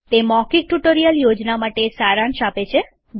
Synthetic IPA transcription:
t̪emɔkik̚ʈuʈoɾijəljod͡ʒnamaʈesaɾanʃapet͡ʃʰe

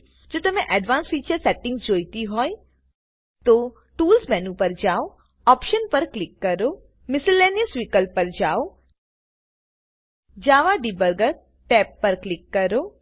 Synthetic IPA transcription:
d͡ʒot̪əmẽʔɛɖʋãːnsfit͡ʃəɾsɛʈɪ̃ŋɡsd͡ʒojt̪iɦɔj | t̪o | ʈuːlsmɛnũpəɾd͡ʒao | ɔpʃənpəɾklɪkːəɾo | mɪsilenijəsʋikəlpːəɾd͡ʒao | d͡ʒaʋaɖibəɾɡəɾ | ʈɛpːəɾklɪkːəɾo

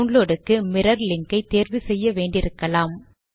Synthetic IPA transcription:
ɳlɔɽɯkːɯmɪɾɐɾlɪŋkɐɪt̪eːɾʋɯsɛjːɐʋeːɳɖɪɾɯkːɐlaːm

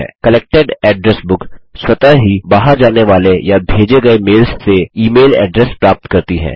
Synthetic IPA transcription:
ɛ̰ːkɐleːk̚ʈeɖɛːɖɾɛsbʊkswɐt̪aɦibaɦəɾd͡ʒaːneʋaːlejabʱeːd͡ʒeɡɐemeːlsseiːmeːlɛ̰ːɖɾɛspɾaːp̚t̪kɐɾt̪iɦɛ̰̃ː

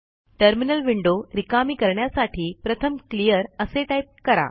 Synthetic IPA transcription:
ʈəɾminəlʋiɳɖoɾikamiːkəɾɳjasaʈʰiːpɾət̪ʰəmklijəɾəseʈajp̚kəɾa̰

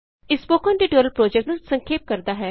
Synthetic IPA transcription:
ɪspoːkɔ̃nɖiʈoːɾəlpɾoːd͡ʒɛk̚ʈnũsə̃ŋkʰeːp̚kəɾd̪aːɦɛː

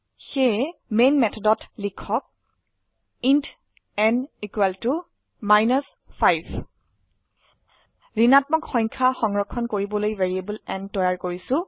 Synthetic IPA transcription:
xemenmɛt̪ʰɔdɔtlikʰːɔk̚ | int | ɛnikwɛltu | majnɔs | pʰajb | ɹinatmɔkxɔjŋkʰaxɔŋɹɔkʰːɔnkoɹibɔlojveɹiebəlɛ̃ntɔjaɹkoɹisʊ̃

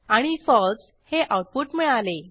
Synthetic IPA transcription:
aɽ̃ifɔls | heʔawʈ̚puʈmiɭale

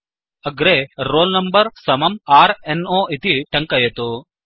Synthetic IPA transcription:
ɐɡɾeɾoːlnɐmbɐɾsɐmɐmaːɾenoːit̪iʈɐŋkɐjɐt̪u

